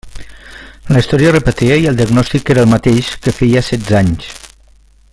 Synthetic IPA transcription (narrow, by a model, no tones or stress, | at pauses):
ləist̪ɔɾiərəpət̪iəiəlˠd̪iəɡnɔst̪ikeɾəlˠmət̪eʃkəfejəsɛd̪zaɲs